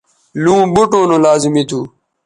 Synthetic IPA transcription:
lũːbuʈõːnõːlaːzimit̪ʰuː

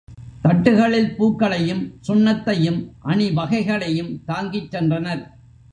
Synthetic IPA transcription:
t̪ɐʈːɯɣɐɭɪlpuːkːɐɭɐjɯmsʊnːɐt̪ːɐjɯmʔɐɳɪʋɐɣɐɪɣɐɭɐjɯmt̪aːŋɡɪt͡ʃɾɛndrɐnɐɾ

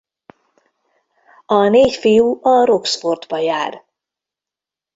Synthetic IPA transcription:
ɒneːcfijuɒɾo̞ksfo̞rd̪bɒjaːr

